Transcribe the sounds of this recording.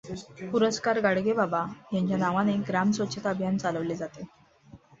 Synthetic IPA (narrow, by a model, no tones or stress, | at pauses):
puɾəskaɾɡaɽɡebabajãɲt͡ɕjanaʋaneɡɾamsʋət͡ɕʰət̪əbʱjant͡saləʋled͡zat̪e